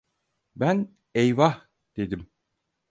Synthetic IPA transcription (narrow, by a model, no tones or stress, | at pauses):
bæn | ejva | d̪̥e̞d̪im